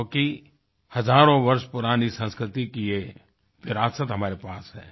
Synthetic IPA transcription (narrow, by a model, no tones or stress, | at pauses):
ki | hɐzaːɾõʋɐɾʃpʊɾaːnisə̃nskɾɪt̪ikije | ʋɪɾaːsət̪ɦɐmaːɾepaːsɦɛ̰ː